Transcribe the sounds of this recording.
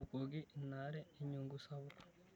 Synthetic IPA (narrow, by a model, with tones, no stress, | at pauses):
u˨ko˨ɡi˦na˦ɾeː˦ɲuŋɡusaβuk